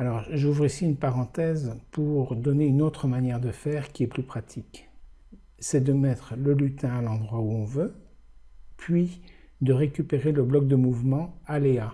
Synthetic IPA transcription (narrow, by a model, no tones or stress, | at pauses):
alɔʁʒuvʁisiynpaʁɑ̃t̪ɛzpuʁd̪ɔneynot̪χəmanjɛʁd̪əfɛʁkʲiɛplypχat̪ʰik | sɛd̪əmɛt̪χləlyt̪ɛ̃alɑ̃d̪ʁwauɔ̃vø | pʰɥi | d̪əʁekʲypeʁeləblɔk̚d̪əmuvmɑ̃alea